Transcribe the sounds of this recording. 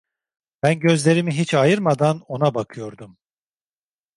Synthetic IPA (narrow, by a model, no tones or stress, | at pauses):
b̥ænɟø̞zlʲe̞ɾimiɦit͡ʃajɯɾmad̪ano̞nabakʰɯjo̞ɾd̪um